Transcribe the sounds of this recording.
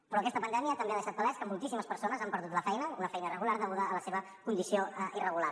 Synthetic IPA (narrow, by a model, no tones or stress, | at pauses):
pɾɔːkɛst̪əpənd̪ɛmiəːt̪əmbeaðəʃat̪̚bəlɛskəmulˠt̪isiməspəɾsonəzampəɾðut̪ləfɛjnəunəfɛjnəirəɣulaɾðəɣuðəːləseβə | kund̪isioirəɣulaɾ